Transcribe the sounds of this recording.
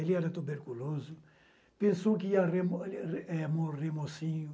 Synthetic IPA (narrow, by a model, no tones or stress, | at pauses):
elɪɛɾɐt̪ubeɾkulozʊ | pẽsokɪiɐremɛmoremosĩɲʊ